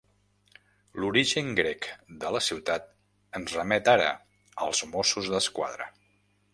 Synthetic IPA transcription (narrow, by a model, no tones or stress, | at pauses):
luɾiʒəŋɡɾɛkd̪ələsiwt̪at̪̚ | ənzrəmɛt̪aɾə̰ | əlˠzmosuzðəskwa̰ðɾə̰